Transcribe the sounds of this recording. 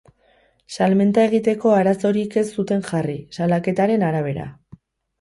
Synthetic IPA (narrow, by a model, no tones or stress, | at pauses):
salme̞nt̪ae̞ɣ̞it̪e̞ko̞aɾaso̞ɾike̞sːut̪e̞ŋʝarisalake̞t̪aɾe̞naɾaβ̞e̞ɾa̰